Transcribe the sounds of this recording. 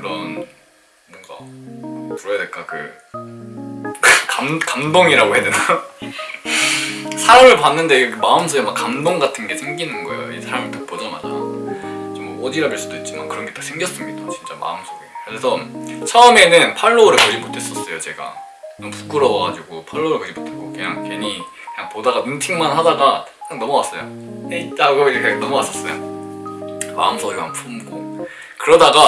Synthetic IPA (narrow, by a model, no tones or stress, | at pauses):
kɯɾʌn | boŋɡa̰ | puɾʌjadeɭk͈akɯ̰ | kkamkamdoŋiɾaɡohe̞dena | sʰaɾamɯɭpanːɯnde̞ɯkemaɯmsʰoɡemakːamdoŋɡatʰɯnɡe̞sʰe̞ŋɡinɯnɡʌḛo̰ḭsʰaɾamɯɭtak̚pod͡ʑama̰d͡ʑa̰ | t͡ɕimʌʌdiɾabiɭs͈udoit̚t͡ɕ͈ima̰nkɯɾʌnɡe̞t͈ḁsʰe̞ŋɡjʌs͈ɯmɲidat͡ɕint͡ɕ͈a̰ma̰ɯmsʰoɡekɯɾesʰʌt͡ɕʰaɯme̞nɯnpʰaɭːoɾɯkʌd͡ʑimotʰe̞s͈ʌs͈ʌjot͡ɕe̞ɡa̰ | nʌmpu̥k͈ɯɾʌbʌɡa̰d͡ʑiɡopʰaɭːoɾɯɭkʌd͡ʑimotʰek͈okɯɲa̰ŋkeɲi | kɯɲaŋpodaɡanɯntʰiŋmanhadaɡaɯɲaŋnʌmʌwas͈ʌ̰jo̰ | et͈aɡʌɡiekɯɲaŋnʌmʌwas͈ʌs͈ʌjo̰ | ma̰ɯmsʰoɡekɲaŋpʰumɡo | kɯɾʌdaɡa